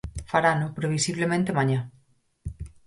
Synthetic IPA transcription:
faɾanopɾeβ̞isiβlemẽnt̪emãɲã

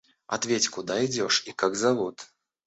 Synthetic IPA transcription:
a̰t̪vʲet͡sʲkud̪aid͡zʲɔʂikaɡzavut̪

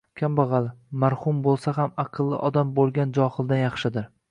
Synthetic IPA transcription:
kʲʰambɑʁɑlɪmaɾhʊmbolˠsaɦamɑqʰɨlˠːɪ̰ʔɒd̪ambolˠɡʲand͡ʒɒhɨlˠd̪anjɑχʃɪd̪ɪɾ

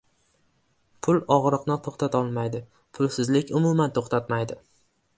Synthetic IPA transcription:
pʰʊlɒʁɾɨqnɪt̪ʰoχt̪ʰat̪ʰɒlˠmajd̪ɪ | pʰʊlˠsɪzlɪkʲʊmʊmant̪ʰoχt̪ʰat̪majd̪ɪ

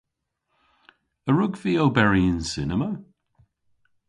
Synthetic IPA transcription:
əɹʊɡviːobɛɹiɪnsɪnəmə

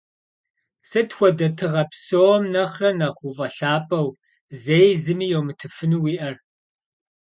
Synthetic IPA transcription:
sɐtxʷɔdɐtʰɨʁɐpsowɔmnɐχrɐnɐχʷuvʼɐɬaːpʼɐw | zejzɨmiːjowmɨtʰɨfɨnuːwiːʔɐr

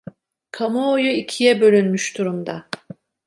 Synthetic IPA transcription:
kʰamaojuicʰijɛbø̞lʲynmyʃd̪uɾumd̪a

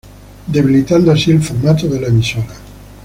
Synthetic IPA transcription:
d̪e̞βilit̪and̪oasielfuɾmat̪oðelaemisoɾa

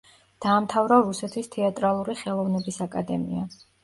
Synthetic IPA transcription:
d̪̥aːmt̪ʰavɾɔɾusɛt̪ʰwist̪ʰɛat̪ʼɾalˠuɾiχɛlˠɔvnɛbisakʼad̪ɛ̰mḭa

